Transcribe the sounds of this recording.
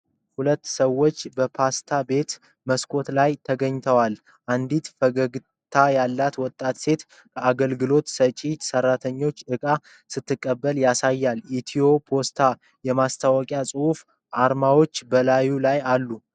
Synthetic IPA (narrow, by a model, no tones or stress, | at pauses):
hulət̪ːsəwːo̞t͡ʃːbəpʰast̪ʰabe̞t̪ | məskʰo̞t̪lajt̪ʰəɡəɲːt̪ʰəwal | ʔand̪it̪fəɡəɡ | t̪ʰajalːat̪wɔt̪ʼːat̪se̞t̪ | kʰəʔaɡəlɡɨlo̞t̪sət͡ʃʼit̪sərːat̪ʰəɲːo̞t͡ʃːʔɨkʼa | sɨt̪ʰːɨkʼːəbːəljasajːalit̪ʰijo̞pʰo̞st̪ʰa | jɛmast̪ʰawɔkʼjasʼɨhuf | ʔaɾmawo̞t͡ʃːbəlajulajalːu